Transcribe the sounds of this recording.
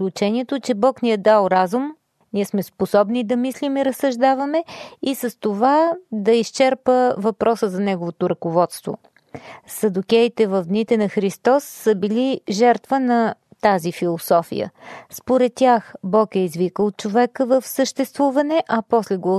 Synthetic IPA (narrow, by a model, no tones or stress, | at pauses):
klʲut͡ʃɛniɛt̪ot͡ʃɛbɔkniɛd̪alˠɾazum | niɛsmɛsposɔbnid̪ɐmislimiɾəsːəʒd̪avɐmɛisəst̪ovad̪ɐist͡ʃɛɾpəvɐpɾʔɔsəzɐnɛɡovot̪oɾɐkovɔt̪st̪vo̰ | sɐd̪ukʲɛit̪ɛvəvd̪nit̪ɛnɐxɾist̪ɔsːəbiliʒɛɾt̪vənɐt̪azifilˠosɔfḭjə̰spoɾɛt̪ːʲjaxbɔkɛizvikəlˠot̪̚t͡ʃovɛkəvəfsəʃt̪ɛst̪vuvɐnɛʔɐpɔslɛɡə